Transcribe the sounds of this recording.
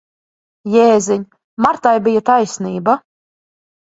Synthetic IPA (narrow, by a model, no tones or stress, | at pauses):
jeːziɲʲ | maɾt̪ajbijat̪ajsʲniːba